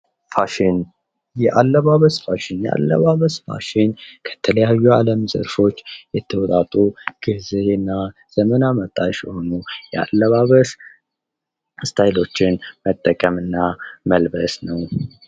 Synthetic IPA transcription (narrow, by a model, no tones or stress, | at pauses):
faʃɪn | jɛʔalːəβaβəsfaʃɪnjɛʔa̰lːə̰βaβəsfa̰ʃɪnkʰə̥t̪ʰələjajːualəmzə̰ɾfo̞t͡ʃːjɛt̪ʰːəwɔt̪ʼat̪ʼuɡ̥ɨzeɨnːaz̥əmənamət̪ʼaʃho̞nujɛa̰lːəβaβəs | st̪ʰajlo̞t͡ʃːɪnmət̪ʼːəkʼəmɨnːaməlbəsnəw